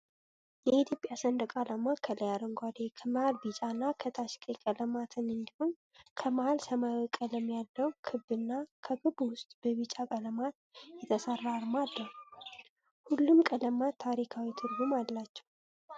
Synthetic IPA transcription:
jɛit̪ʰjopʼjasənd̪əkʼalamakʰələjaɾəŋɡʷad̪ekʰəməhalbit͡ʃʼanːakʰət̪ʰaʃkʼekʼələmat̪ʰɨnɨnd̪iho̞ɲ | kʰəməhalsəməwəkʼələmjalːəwkʰɨbɨnːakʰəkʰɨbwʊst̪ʼb̥əβit͡ʃʼakʼələmat̪̚jɛt̪ʰəsərːaɾmalːəhu | hulːumkʼələmat̪ʰːaɾikʰawit̪ʰɨɾɡumallːat͡ʃːɛ̥w

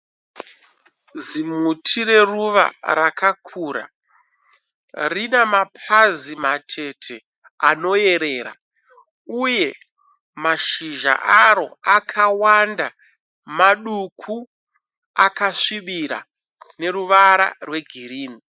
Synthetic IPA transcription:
zimutʰire̞ruʋa̰ɾakakʰuːɾa̰ | rinemapʰazimatʰe̞tʰe̞ | ano̞e̞ɾe̞ːɾa̰ | uje̞ | maʃiʒa̰ʔaɾo̞akʰawanda | maɗukʰu | akaʂiɓiɾa̰ | ne̞ɾuʋaɾa̰rwe̞ɡʱiriːni

